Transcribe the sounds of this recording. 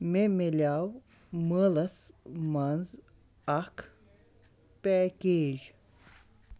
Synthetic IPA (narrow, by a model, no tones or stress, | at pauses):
memelʲaw | mɨlasmanz | ak | pɛːkʲeːʒ